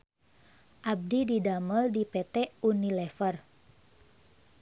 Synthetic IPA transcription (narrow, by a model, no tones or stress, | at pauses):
ʔab̚dididaməldipɛt̪ɛunilɛfər